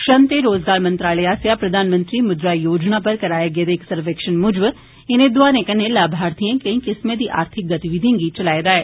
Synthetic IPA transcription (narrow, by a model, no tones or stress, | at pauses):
kʃənt̪eɾoːzɡaːɾmə̃nt̪ɾaːleaːsjapɾɐd̪ʱaːnmə̃nt̪ɾimʊd̪ɾajoːd͡ʒnapəɾkɐɾaːjaɡeːd̪eɪksəɾʋeːkʃənmʊd͡ʒʋ | ɪnẽd̪ʊaːnẽkɐnelaːbʱaːɾt̪ʰiẽkɐ̃ĩkɪsmẽd̪iːʔa̰ːɾt̪ʰɪk̚ɡɐt̪iʋɪd̪ʱĩŋɡit͡ʃɐlaːed̪aːɛː